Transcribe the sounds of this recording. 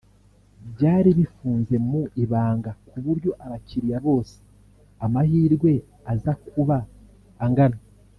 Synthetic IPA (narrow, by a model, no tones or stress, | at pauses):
bɟaːɾiβifuːnze̞muʔiβaːŋɡakʰuβuɾɟo̞ʔaβaciɾijaβo̞ːse̥ | amahiːɾɡwe̞ | azakʰuβaː | ŋɡana